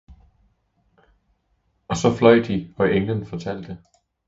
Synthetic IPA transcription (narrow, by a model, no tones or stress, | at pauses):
ɒ̽sɒ̽flɒɪ̰d̥iɒ̽ʔeŋlənfɒ̽t͡sʰæl̰d̥ə